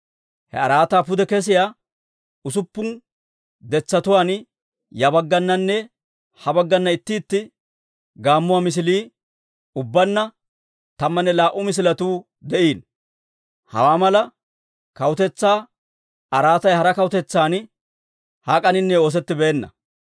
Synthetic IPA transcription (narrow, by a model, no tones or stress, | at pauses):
hɛ̰ɐɾaːt̪aːpʊd̪ɛkɛs̬ɪjaː | ʊs̬ʊpːʊn | d̪ɛt͡sːɐt̪ʊwaːn | jɐbɐɡːɐnːɐnːɛ | hɐbɐɡːɐnːɐɪt̪ːɪːt̪ːɪ | ɡaːmːʊwamɪs̬ɪliː | ʊbːɐnːɐ | t̪ɐmːɐnːɛlaːʔʊmɪs̬ɪlɐt̪uː | d̪ɛʔiːn | hɐ̰waːmɐlɐ | kɐwʊt̪ɛt͡sːaː | ɐɾaːt̪ɐjhɐɾɐkɐwʊt̪ɛt͡sːaːn | haːkʼɐnɪnːɛo̞ːs̬ɛt̪ːɪbeːnːɐ̰